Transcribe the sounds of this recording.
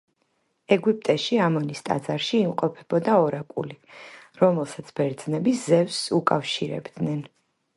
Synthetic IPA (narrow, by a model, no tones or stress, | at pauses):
ɛɡipʼt̪ʼɛʃiamɔnist̪ʼa̰d̪zaɾʃiːmqʼɔpʰɛb̥ɔd̪aɔɾakʼṵliɾɔmɛlˠsat̪sʰb̥ɛɾd̪znɛbiszɛvsukʼafʃiɾɛ̰bd̪nɛn